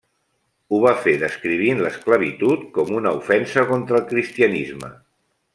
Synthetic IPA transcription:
uβ̞afeðəskɾiβ̞inləskləβ̞it̪ut̪̚kɔmunəufɛnsəkont̪ɾəlˠkɾist̪iənizmə̰

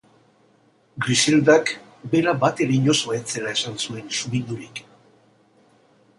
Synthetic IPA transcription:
ɡɾise̞ld̪ak | be̞ɾabat̪e̞ɾeiɲo̞soet͡se̞lae̞sansue̞nsuβind̪uɾik

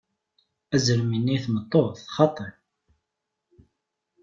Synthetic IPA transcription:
æzəɾminːiθmət̪ˤːoθχɑt̪ˤəɾ

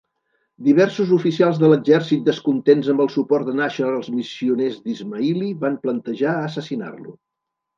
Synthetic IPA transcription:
d̪iβ̞ɛrsuzufisialˠzðələɡʒɛrsit̪̚d̪əskunt̪enzəmbəlˠsupɔrt̪d̪ənaʃəəlˠzmisiunezd̪izməiliβamplənt̪əʒaəːsəsina̰rlṵ

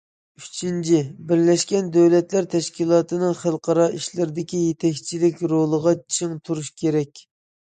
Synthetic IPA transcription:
yt͡ʃʰint͡ʃʰibɪɾlɛʃkʲɛnd̪øwlɛt̪læɾt̪ʰɛʃkʲilˠɑːt̪ʰɨnɨŋχælˠqʰɑɾɑʔiʃlɪɾɪd̪ɪkʲijet̪ʰɛkʲt͡ʃʰilɪkʲɾolˠəʁɑt͡ʃʰiŋt̪ʰuɾuʃkʲʰeɾɛkʲ

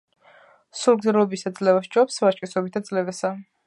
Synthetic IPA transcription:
sulˠɡzɛɾlɔbisad̪zlɛvasd͡ʒɔpsvat͡ʃʼkʼɛsɔbit̪ʰad̪zlɛvɛsa

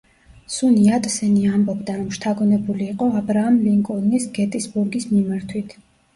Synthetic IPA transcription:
suniat̪ʼsɛniambɔbd̪aɾɔmʃt̪ʰaɡɔnɛbuliːqʼɔabɾaːmliŋkʼɔlnisɡɛt̪ʼisbuɾɡismimaɾt̪ʰwit̪ʰ

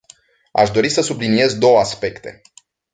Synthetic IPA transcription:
a̰ʃd̪o̞ɾisəsublinie̞zd̪o̞wəaspe̞kt̪e̞̰

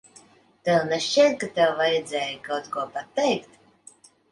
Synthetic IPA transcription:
t̪ɛwnɛʃɛt̪̚kat̪ɛwvajɛd̪zʲɛːjikawt̪kuɔpat̪ːɛjkt̪

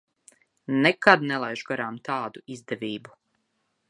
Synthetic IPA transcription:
nekad̪nelˠajʒɡoɾaːmt̪aːd̪uizd̪eʋiːbu

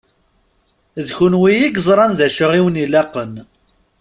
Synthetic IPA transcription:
ðçunwijiɡzˤɾˤɑnðæʃəʁiwənilæqːən

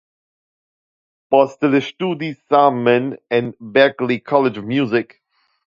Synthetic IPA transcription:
b̥ɔst̪ələʃtuːdisamːə̃nə̃nbɛklikʰɔlɪd͡ʒəvmjuːzɪk

